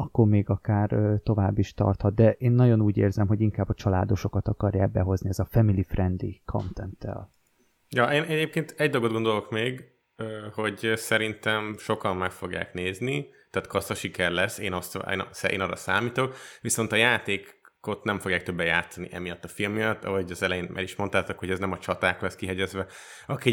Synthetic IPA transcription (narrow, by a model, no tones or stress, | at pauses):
ɒkːormeːɡɒkaːrøt̪o̞vaːbːiʃt̪ɒ̰rt̪hɒt̪̚d̪ɛʔeːnːɒɟo̞nuːɟeːrzɛmɦo̞ɟiŋkaːbːɒt͡ʃɒlaːd̪o̞ʃo̞kɒt̪ɒkɒrjaːk̚bɛɦo̞zniɛzɒfɛmilifrɛnd̪ḭkʰo̞̰nt̪ɛnt̪ːɛ̰l | jɒʔeːnɛɟeːp̚keːnt̪ɛɟd̪olɡod̪ɡo̞nd̪o̞lo̞kmeːɡ | ho̞ɟsɛɾint̪ɛmʃo̞kɒmːɛkfo̞ɡja̰ːkneːzni | t̪aːt̪kʰɒsɒʃikɛrlɛsːeːnɒst̪ḛːnsɛḛːnɒrɒ̰saːmiːt̪o̞kʋiso̞nt̪ɒjaːt̪eːk | ko̞t̪nɛɱfo̞ɡjaːk̚t̪øbːɛja̰ːt̪sɒniʔɛ̰mijɒt̪ːɒfilmːijɒt̪ːɒ̰ɦoɟɒzɛlɛjeːnmʔa̰ɾiʃmont̪aːt̪okho̞ɟɛznɛmɒt͡ʃɒt̪aːklɛskiɦɛɟɛzʋɛ | ɒki